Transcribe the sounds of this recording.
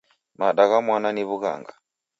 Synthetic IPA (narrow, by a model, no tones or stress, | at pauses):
maɗaɣamwananiβuɣa̰ŋɡa